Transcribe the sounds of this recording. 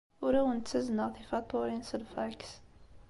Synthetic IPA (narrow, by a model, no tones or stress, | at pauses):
ʊɾæwənt̪səznəʁθifɑt̪ˤːoɾinsədfæks